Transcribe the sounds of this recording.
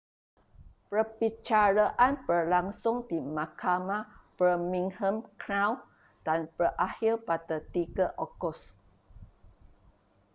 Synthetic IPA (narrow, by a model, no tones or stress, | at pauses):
pəbit͡ʃaɾaʔanpərlaŋsʊŋdimãkʰamapɾəmĩŋhəmkɾaw | d̥anpərʔahilpatət̪iɡəʔɔkɔs